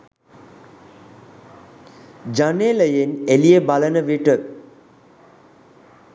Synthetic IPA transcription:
d͡ʒaneləjenelijebalənəʋiʈə

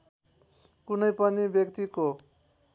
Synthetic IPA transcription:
kunʌjpʌnibjʌkt̪iko

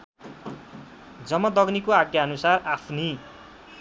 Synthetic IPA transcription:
d͡zʌmːʌd̪ʌɡnikoaɡjaʌnusarapʰni

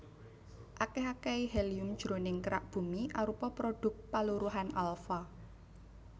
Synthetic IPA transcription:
ʔakɛɦakɛihɛlijʊmd̥ʒ̥ɾo̤nɪŋkəɾaʔb̥ṳmiʔaɾupɔpɾoɖ̥ʊ̤k̚t̪̚paluɾuɦanʔalfa

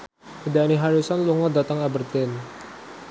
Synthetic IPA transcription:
hədaniɦaɾusanluŋɔdat̪aŋabərt̪ɛn

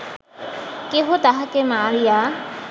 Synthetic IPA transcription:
keɦot̪aɦakemaːɾija

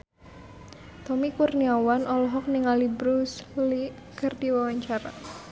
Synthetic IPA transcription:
t̪ɔmikurniawanɔlɔɦɔk̚niŋalibɾusli | kərdiwawaɲt͡ʃaɾa̰

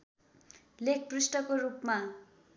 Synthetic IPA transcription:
lek̚ʰprisʈʌkoɾupma

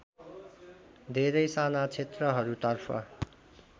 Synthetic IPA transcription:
d̪ʱeɾʌjsanat͡sʰet̪rʌɦʌɾut̪ʌrpʰʌ̰

